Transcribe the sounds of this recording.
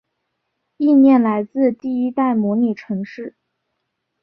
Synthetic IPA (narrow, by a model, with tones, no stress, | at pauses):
i˥˧mjɛ˥˩nla˧˥ɪt͡sɹ̩˥˧t̪i˥˩i˥t̪a˥˩ɪmwɔ˧˥ni˨˩ʈ͡ʂʰɤ˧˥ŋʂɻ̩˥˩